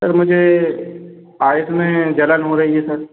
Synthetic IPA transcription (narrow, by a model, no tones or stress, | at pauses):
sɐɾmʊd͡ʒʱe | aːjɪsmẽd͡ʒɐlənɦõɾɐɦiesɐɾ